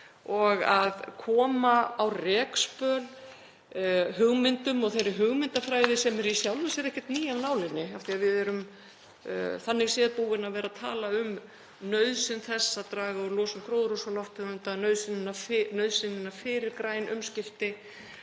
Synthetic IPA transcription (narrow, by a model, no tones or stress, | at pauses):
ɔɣaðkʰɔːmaawrɛːkspœːl | ɦʏɣmɪnt̪ʏmɔɣθejɾɪɦʏɣmɪnt̪afɾaːjðɪsɛmɛɾisjawlmʏsɛɾɛhcɪt̪niːjawnaːwlɪnːɪaft̪iaðvɪðɛɾʏm̰ | θanːɪɣsɛːðpuɣɪnavɛːɾaðt̪ʰa̰ːlaʏm | nœɥðsɪnθɛsːat̪ɾaːɣaɔlɔːsʏmkʰɾoːwðɾusɔlɔwht̪ɛʏnt̪anœɥðsɪnːɪnːafnœɥðsɪnːɪnːafɪːɾɪɾkɾaːjnʔʏmscɪft̪ɪ